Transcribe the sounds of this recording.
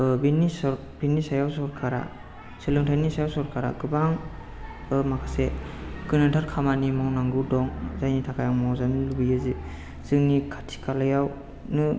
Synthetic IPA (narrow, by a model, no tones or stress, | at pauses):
binisɾ | b̥inisajawsɔɾkʰaɾa̰ | selɯŋtʰajnisajawsɔɾkʰaɾa̰ɡɯbaŋ | ɯmakʰasekɯnatʰaɾkʰamanimawnaŋɡɯdɔŋzajnitʰakʰajaŋmawzanɯlubijɯzi | z̥ɯŋnikʰḁtʰi̥kʰalajaw | nɯ